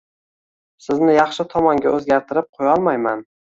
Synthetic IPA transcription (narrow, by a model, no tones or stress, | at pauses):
sɪznɪjɑχʃɪt̪ʰɒmɒŋɡʲaʔɵzɡʲaɾt̪ʰɪɾɪp̚qʰojɒlˠmajman